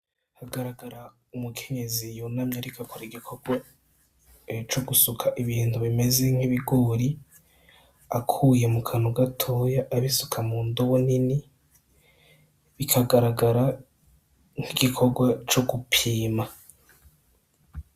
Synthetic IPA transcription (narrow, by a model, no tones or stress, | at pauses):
haɡaɾaɡaɾa | umukʰe̞ɲe̞zijunamɲaɾikakʰoɾaiɡikʰo̞ɡwa | t͡ʃoɡusukʰaʔiβiːntuβime̞ze̞ŋ̥iβiɡoːɾi | akʰuːje̞mukʰanuɡatʰo̞ːjaʔaβisu̥kʰamuːndoβunini | βikʰaɡaɾaɡaɾa | ŋ̥hiɡ̥ikʰo̞ɾɡwat͡ʃoɡupʰiːma